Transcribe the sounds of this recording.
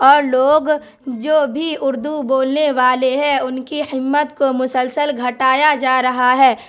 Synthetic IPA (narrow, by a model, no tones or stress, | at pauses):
ɔːɾloːɡ | d͡ʒoːbʱiʊɾd̪uboːlneʋaːleɦɛ̃ʊnkihɪmːət̪komʊsəlsəlɡʱɐʈaːjad͡ʒaːɾɐɦaɦɛː